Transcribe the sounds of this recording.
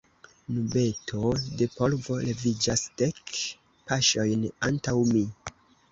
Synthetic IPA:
nube̞tʰo̞de̞po̞lvo̞le̞vid͡ʒasd̥e̞k | paʃo̞jnantawmi

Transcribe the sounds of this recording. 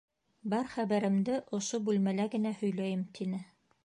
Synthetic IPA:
bɑɾχæβæɾɘ̆md̪ɘʔŏʃobʉlmælæɡɘ̆næhɵ̆jlæjɘmt̪ʰinɘ

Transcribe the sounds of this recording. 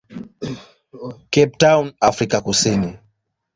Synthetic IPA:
kɛp̚tawnafɾikakusini

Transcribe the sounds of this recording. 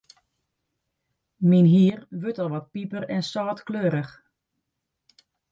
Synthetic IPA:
minɦiərʋøtɔlˠʋɔt̚pipərɛnsɔːtkløːəɾəx

